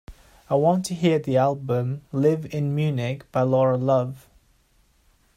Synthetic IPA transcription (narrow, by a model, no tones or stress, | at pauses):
aɪwɒ̃ntʰəɦiəðialˠbə̃mlɪvɪ̃nmjʉːnɪkb̥aɪlɔɹəlʌv̥